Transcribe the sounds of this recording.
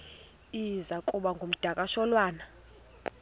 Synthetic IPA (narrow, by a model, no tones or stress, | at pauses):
izakʼuɓaŋɡʱom̩d̥ʱakʼaʃɔlwaːna